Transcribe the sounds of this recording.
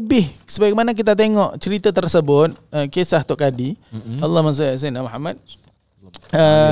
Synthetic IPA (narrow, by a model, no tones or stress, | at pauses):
bɪhsəbak̚manak̬it̪̬at̪̬eŋɔʔt͡ʃəɾit̪ət̪ərsəbʊt̪̚əkesaht̪ʊʔkadialːɑhmaŋs̬uas̬inamuɦamːat̪̚ | ə